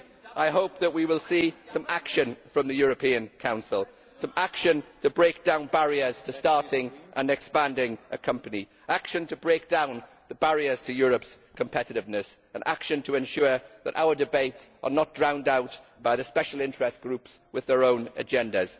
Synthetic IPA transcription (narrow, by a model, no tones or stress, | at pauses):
ʔaɪɦoʊp̚ðəʔwiwɪlˠsiːsə̃makʃə̃nfɹə̃mðəjɔːɹəpʰĩːə̃nkʰãʊ̃nsɪlˠ | sə̃makʃə̃ntʰəbɹeɪk̚d̥ãʊ̃nbaɹiəz̥tʰəstɑɹtʰɪ̃ŋʔə̰̃nɛkspãndɪ̃ŋʔəkʰʌ̃mpəni | akʃə̃ntʰəbɹeɪk̚d̥ãʊ̃n | ðəbaɹiəz̥tʰəjɔːɹəps | kʰə̃mpʰɛtɪɾɪvnəs | ə̃nʔa̰kʃə̃ntʰəɛ̃nʃɔːðə̰tʔa̰ʊədɪbeɪtsʔə̰nət̚d̥ɹãʊ̃ndaʊʔb̥aɪðəspɛʃəlˠɪ̃ntɹ̥ɛstɡ̥ɹʉˑpswɪðəɹõʊ̃nə̰d͡ʒɛ̃ndəz̥